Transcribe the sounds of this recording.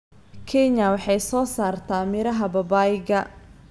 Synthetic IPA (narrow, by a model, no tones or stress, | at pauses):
kʰɛnjɐwɑħɑjsɔːsaːrt̪ʰaːmɪɾɐɦɐbɐbaːjɪɣɐ